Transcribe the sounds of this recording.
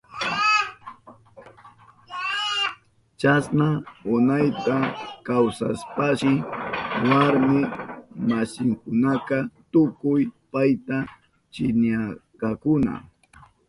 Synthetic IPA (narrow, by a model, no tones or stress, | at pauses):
t͡ʃasnaʊnajt̪akawsa̰spaʃɪ | waɾmɪmasɪŋkʊnakat̪ʊkʊjpajt̪a | t͡ʃɪnjakakʊna̰